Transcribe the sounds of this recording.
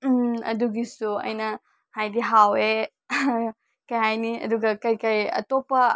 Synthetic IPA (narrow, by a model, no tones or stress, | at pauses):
ɐ̰duɡisuɐ̰jnɐ | hajdiɦawe | kɐjɦajniɐ̰duɡɐkɐjkɐjɐ̰topːɐ